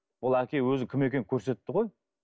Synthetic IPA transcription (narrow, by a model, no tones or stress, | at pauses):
bʊlˠækʲʰe̞jwɵzɪkʲʰɪme̞kʲe̞ŋkʲʰɵɾse̞t̪ːɪʁo̞j